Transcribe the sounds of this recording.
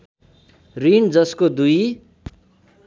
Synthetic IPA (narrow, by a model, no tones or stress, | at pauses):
rind͡zʌskod̪uj